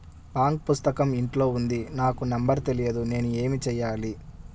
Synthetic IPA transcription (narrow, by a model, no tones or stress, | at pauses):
baːŋk̚pust̪ɐkɐmiɳʈlo̞ːund̪inaːkunɐmbɐɾt̪e̞lijɐd̪une̞ːnue̞ːmit͡ʃɛjːaːli